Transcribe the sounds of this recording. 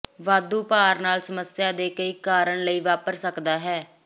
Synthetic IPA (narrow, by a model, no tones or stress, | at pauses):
ʋaːd̪uːpaːɾnaːlsəməsjaːd̪eːkəiːkaːɾəɳləiːʋaːpəɾsəkd̪aːɦɛː